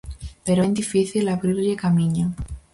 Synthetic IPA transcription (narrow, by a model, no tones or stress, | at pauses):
peɾend̪ifiθilaβɾiɾʎekamĩɲo